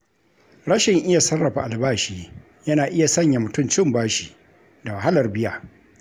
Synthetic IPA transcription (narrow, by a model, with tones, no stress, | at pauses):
ɽɐ˦ʃɪ˨ŋʔɪ˦ja˨sɐ˦rːɐ˨ɸa˨ʔa˨lbaː˦ʃiː˨ | jɐ˦naː˨ʔɪ˦ja˨sɐ˦ɲja˨mʊ˨tʊ˦mt͡ʃɪ˦˨mbaː˦ʃiː˨ | da˨wa˨ɦa˦lɐ˨rbɪ˦jaː˨